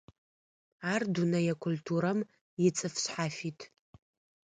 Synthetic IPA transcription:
ardunɐjakʷʰʊltʰuɾam | jɪt͡sʼɨfɕħafitʰ

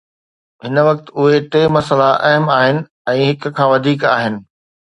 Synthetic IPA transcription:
ɦɪnʋɐk̚t̪ʊɦeʈeːmɐsəlaʔɐɦəmaːɦɪnɪ̆ | ɛ̃ːɦɪk̆kʰãːʋɐd̪ʱiːkaːɦɪnɪ̆

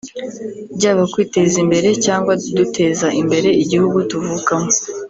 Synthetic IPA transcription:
bɟaːβakwiːte̞zimbe̞ɾe̞caːŋɡwadute̞ːzaʔimbe̞ɾe̞iɟihuɡutuvukamo

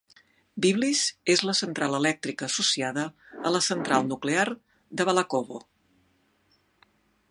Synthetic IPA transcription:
biβlizezləsənt̪ɾalˠəlɛk̚t̪ɾikəːsusiaðəələsənt̪ɾʔalˠnukleaɾ | d̪əβəlakoβo

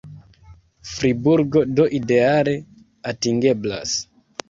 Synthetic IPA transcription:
fɾibuɾɡo̞doʔide̞ale̞ | atiŋɡe̞bla̰s

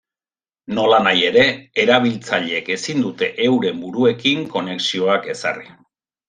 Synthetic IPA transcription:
no̞lanaje̞ɾe̞ːɾaβ̞ilt͡saʎeːke̞sind̪ut̪e̞ʔewɾe̞mbuɾue̞kiŋko̞ne̞ksio̞ake̞sa̰ri

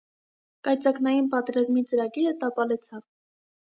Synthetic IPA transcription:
kɑjt͡sɑknɑjinpɑt̪ɛɾɑzmit͡səɾɑɡiɾət̪ɑpɑlɛt͡sʰɑv

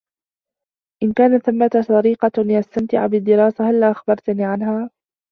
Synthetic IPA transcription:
ʔɪnkaːnaθamːat̪sˤɑɾiːqɑjast̪amt̪ɪ̰ʕbɪd̪ːɪɾɑːsahalːaːʔaxbɑɾˤt̪niːʕanɦaː

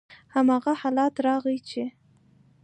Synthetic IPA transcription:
hamɑɣahɑlɑt̪ɾɑɣijt͡ʃe

